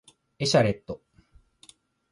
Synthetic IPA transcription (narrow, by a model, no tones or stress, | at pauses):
e̞ɕaɾe̞t̪ːo